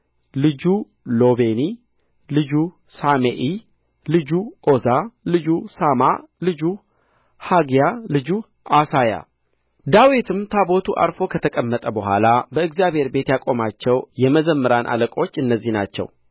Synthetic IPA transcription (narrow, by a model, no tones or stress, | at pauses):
lɨd͡ʒu | lo̞βeni | lɨd͡ʒu | sameʔi | lɨd͡ʒuʔozalɨd͡ʒusamalɨd͡ʒu | haɡjalɨd͡ʒu | ʔasaja̰ | d̪awit̪ʰɨmt̪ʰabo̞t̪ʰuʔa̰ɾfo̞kʰət̪ʰəkʼəmːət̪ʼəbəɦʷa̰labəɨɡzijaβhe̞ɾbe̞t̪jakʼo̞mat͡ʃːɛwjɛməzəmːɨɾanʔa̰ləkʼo̞t͡ʃːɨnːəzːihna̰t͡ʃːɛ̰w